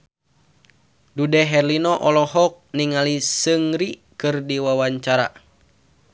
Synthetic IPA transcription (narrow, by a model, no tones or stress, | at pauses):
dudɛɦɛrlinɔʔɔlɔɦɔk̚niŋalisɨŋɾikɨrdiwawaɲt͡ʃaɾa̰